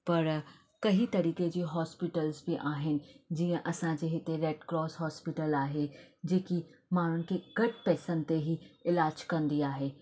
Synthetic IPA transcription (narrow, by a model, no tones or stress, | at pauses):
pɐɾ | kɐɦit̪ɐɾiːked͡ʑiːɦɔːspɪʈəlzbɪʔaːɦɪnɪ̆d͡ʑiːə̃ʔɐsãd͡ʑeːɦɪt̪eɾeːɖkɾɔːsɦɔːspɪʈəlaːɦed͡ʑeːkimaːɽ̤ʊnɪ̆kʰeɡ̥ɐʈpɛːsənɪ̆t̪eɦiɪlaːd͡ʑkɐ̃nd̪iaːɦeː